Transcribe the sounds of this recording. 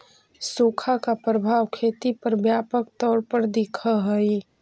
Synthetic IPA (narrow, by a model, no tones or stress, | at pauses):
soːkʰakapɾəbʱaːwkʰeːt̪ipɐɾbjaːpək̚t̪ɔːɾpəɾd̪ɪkʰəɦɛi